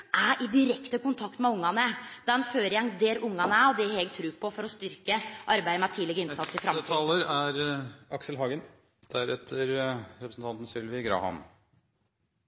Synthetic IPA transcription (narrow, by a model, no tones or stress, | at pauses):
ʔæɾʔɪd̪ɪɾɛkt̪əkʊnt̪ʰɑkt̪mɛʊŋːɑnəd̪̥ɛnføːɾjɛŋd̪eːɾʊŋːɑnəæɔd̪ɛɾɛɡ̚t̪ʰɾʉːpʰɔfɔɾɔst̪ʏɾkəʔɑɾbæɪmæt̪ʰiːlɛɡəɾɪnsɑt̪sɪfɾɑmt̪ɑːləɾæɾɑksəlɦɑːɡən | d̪̥æɾɛt̪ʰːəɾɾɛpɾəsn̩t̪ɑnt̪ən̩sʏlʋɪɡɾɑ̰ːhɑ̰n